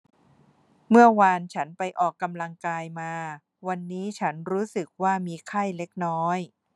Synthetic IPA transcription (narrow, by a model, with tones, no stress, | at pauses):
mɯ˥˩ɐwaː˧nt͡ɕʰa˦˥npa˧jʔɔː˨˩kːa˧mla˧ŋkaː˧jmaː˧ | wa˧nːiː˦˥t͡ɕʰa˦˥nɾuː˦˥sɯ˨˩k̚waː˥˩miː˧kʰa˥˩jle˦˥k̚nɔː˦˥j